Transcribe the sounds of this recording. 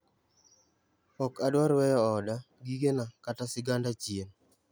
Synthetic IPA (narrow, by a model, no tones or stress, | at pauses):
ɔkadwaɾwɛjɔːda | ɡiɡenakatasɪɡandat͡ʃjen